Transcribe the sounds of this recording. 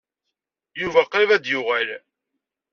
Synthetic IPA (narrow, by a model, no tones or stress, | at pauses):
juvæqivæd̪jʊʁæl